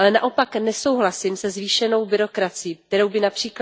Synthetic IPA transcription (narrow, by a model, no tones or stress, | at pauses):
lɛnaʔo̞paknɛso̞wɦlasɪmsɛzviːʃɛno̞wbɪɾo̞kɾat͡sɪjiːk̚t̪ɛɾo̞wbɪnapr̝̥iːk